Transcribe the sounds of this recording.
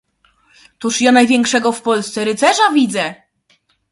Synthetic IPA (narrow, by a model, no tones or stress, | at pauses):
t̪uʂjanajvʲjɛŋkʂɛɡɔfpɔlst̪sɛɾɘt̪sɛʐavʲid̪zɛ